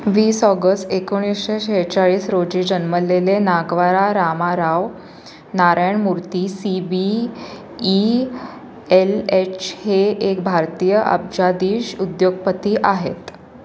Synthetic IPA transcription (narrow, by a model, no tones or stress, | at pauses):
ʋiːsɔɡəst̪ekoɽ̃isɕeɕet͡saɭiːsɾod͡ʑiːd͡ʑənməlelenaɡʋaɾaɾamaɾaʋ | naɾajɳmuɾt̪iːsibiː | elet͡ɕʰheekbʱaɾt̪iːjəʔə̰b̚d͡ʑad̪iːɕud̪joɡ̚pət̪iːʔaɦḛt̪